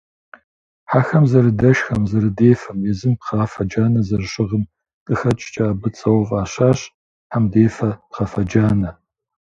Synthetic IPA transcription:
ħaxɐmzɐɾɨdɐʃxɐmzɐɾɨdeːfɐmjɛzɨmpχaːfɐd͡ʒaːnɐzɐrɕɪʁəm | qʼɨxɐt͡ʃʼt͡ʃʼaːbɨt͡sʼɐwɐvaːɕaːɕ | ħamdeːfɐpχɐfɐd͡ʒaːnɐ

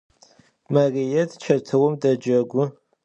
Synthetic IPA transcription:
mɐrijɛtʰt͡ʃʰɐtʰɨwɔmdɐd͡ʒɐɡʷʊ

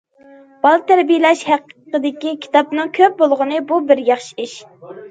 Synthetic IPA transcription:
b̥ɑlˠt̪ʰæɾbijɪlɛʃhæqqəd̪ɪkʲikʲʰi̥t̪ɑpnɨŋkʲʰøp̚bolˠʁʊnɨbubɪɾjɑχʃi̥iʃ

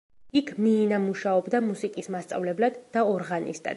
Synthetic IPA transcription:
ikʰmiːnamuʃaɔbd̪amusikʼismast̪sʼa̰vlɛblad̪ːaɔɾʁanḭst̪ʼa̰d̪

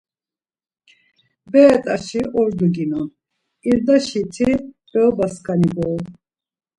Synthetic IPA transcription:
bɛːt̪ʼaʃiʔɔɾd̪uɡinɔn | iɾd̪aʃit̪ʰi | b̥ɛbaskʰʼanibɔː

